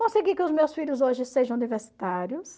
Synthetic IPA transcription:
kõseɡikɪʊzmewsfiʎʊzoʒɪseʒɐ̃univeɾsi̥t̪aɾjʊs

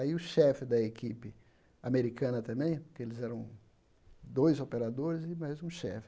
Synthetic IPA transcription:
aiʊʃɛfɪd̪ɐekipɪ | ameɾikɐ̃nɐt̪ɐ̃mbẽj̃poɾkeelɪzɛɾɐ̃w̃ | d̪ojzopeɾad̪oɾɪzɪmajzũʃɛ̰fɪ̥

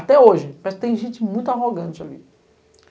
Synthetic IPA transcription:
at̪ɛoʒɪmɛst̪ẽj̃ʒẽt͡ʃɪmũj̃t̪ʊaɦoɡɐ̃t͡ʃɪa̰lḭ

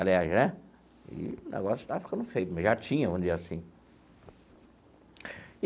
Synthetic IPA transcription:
aliaʒnɛ | ɪ̰ʊnɛ̰ɡɔsʊt̪avɐfi̥kɐ̃nd̪ʊfejpɪmɐzʒat͡ʃĩɲɐvõmdd͡ʒizasĩ

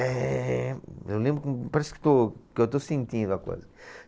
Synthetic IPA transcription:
ɛ | ḛwlẽmbɾʊkpɐɾɛskt̪okewt̪osẽnt̪ĩnd̪uɐko̰jzɐ

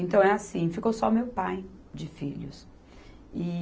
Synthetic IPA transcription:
ẽnt̪ɐ̃w̃ɛasĩfikowsɔmewpaj | d͡ʒɪfiʎʊ̰s | ɪ

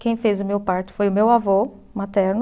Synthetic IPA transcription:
kẽj̃fezʊmewpaɾt͡ʃɪ̥fojʊmewavo | mat̪ɛɾnʊ

